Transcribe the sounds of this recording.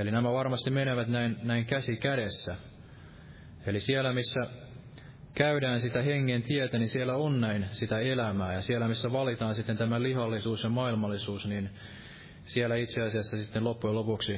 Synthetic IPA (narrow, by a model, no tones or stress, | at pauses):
elinæmæʋɑrmɑst̪imeneʋæt̪næinnæiŋkæsikæɾesːæ | elisielæmisːæ | kæydæːnsit̪æheŋːent̪iet̪ænisielːˑæonnæinsit̪æelæmæːjɑsielːˑæmisːæʋɑlit̪ɑːnsit̪ːent̪æmælihɑlːisuːsjɑmɑilmɑlːˑisuːsnin | sielːˑæit̪seɑsiɑsːɑsit̪ːenlopːujɑlopuksi